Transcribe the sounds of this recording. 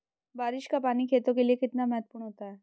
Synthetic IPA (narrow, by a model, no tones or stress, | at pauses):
baɾiʃkapanikʰet̪okeliekɪt̪namɛɦət̪puɾɳɦot̪aɛ